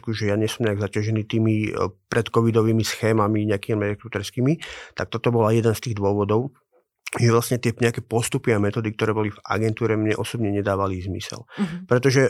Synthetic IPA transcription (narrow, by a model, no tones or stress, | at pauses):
kuʒɛjaɲɛsɔmɲɛaɡzacɪaʒɛniːt̪iːmipɾɛt̪kɔʋid̪ɔʋiːmisxɛːmamiɲɛakiːmɛɛkut̪ɛɾskiːmit̪ak̚t̪ɔt̪ɔbɔlajɛd̪ɛnst̪iːɣd̪ʊɔʋɔd̪ɔʊ | ʒɛʋlastɲɛt̪ɪɛɲɛakɛːpɔst̪upiamɛt̪ɔːd̪ikt̪ɔɾɛːbɔliva̰ɡɛnt̪uːɾɛmɲɛʔɔsɔbɲɛɲɛd̪aːʋalizmḭsɛ̰lpɾɛt̪ɔʒɛ